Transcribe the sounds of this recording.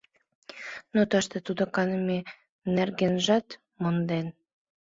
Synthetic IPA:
not̪əʃt̪et̪ud̪okɑnəme | nerɡenʒɑt̪ | mond̪en

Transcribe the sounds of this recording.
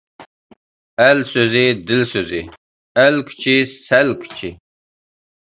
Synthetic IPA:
ælsøzid̪ilsøzi | ælkʰt͡ʃʰissælkʰt͡ʃʰi

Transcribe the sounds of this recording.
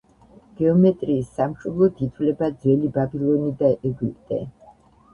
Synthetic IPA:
ɡ̥ɛɔmɛt̪ʼɾiːsːamʃɔblˠɔt̪ʰit̪ʰwlɛbad̪zwɛlibabilˠɔnid̪aʔɛɡipʼt̪ʼɛ̰

